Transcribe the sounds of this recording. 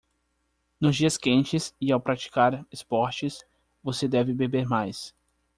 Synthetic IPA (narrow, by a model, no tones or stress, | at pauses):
nʊzd͡ʒiɐskẽnt͡ʃɪsɪawpɾat͡ʃi̥kaɾespɔɾt͡ʃɪs | vosed̪ɛvɪbebeɾmajs